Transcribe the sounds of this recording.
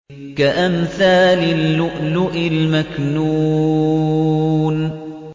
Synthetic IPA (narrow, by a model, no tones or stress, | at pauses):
kaʔamθaːlɪlːʊʔlʊʔɪlmaknuː | n